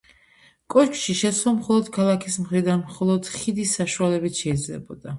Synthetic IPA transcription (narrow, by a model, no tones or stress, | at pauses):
kʼɔt͡ʃʰʃiʃɛt̪slˠɔmχɔlˠɔd̪̥kʰalˠakʰismχɾid̪anmχɔlˠɔd̪̥χid̪isːaʃualɛbit̪ʰʃɛid̪zlɛ̰bɔd̪a